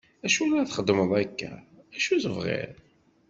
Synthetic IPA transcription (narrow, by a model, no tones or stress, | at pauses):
æʃulɾaθχəd̪ːməðˤækːæ̰æʃuθəvʁɪ̰ɾ